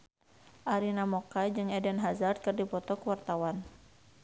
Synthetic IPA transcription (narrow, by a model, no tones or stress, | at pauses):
ʔaɾinamɔkad͡ʒɨŋɛdɛnɦazard̪̚kɨrdipɔt̪ɔkəwart̪awan